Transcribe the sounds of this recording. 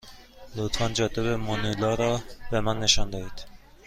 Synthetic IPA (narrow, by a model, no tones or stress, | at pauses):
lot̪fɑnd͡ʒɒːt̪eβemonilɒːɾɒːbemænːeʃɒnd̪ɒhiːd̪̥